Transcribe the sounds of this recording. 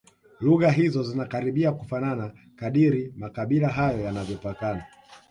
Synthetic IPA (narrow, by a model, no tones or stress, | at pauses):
luɣaɦizɔzinakaɾiɓiakufanana | kaɗiɾimakaɓilaɦajɔjanavjɔpakana